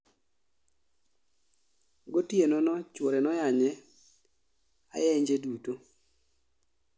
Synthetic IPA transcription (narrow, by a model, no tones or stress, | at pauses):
ɡotienɔnɔt͡ʃwoɾɛnɔjaɲɛ | a̰jɛɲd͡ʒeduto